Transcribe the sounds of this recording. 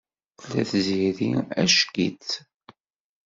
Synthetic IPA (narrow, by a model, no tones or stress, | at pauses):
θlːæθziɾiæʃkit͡s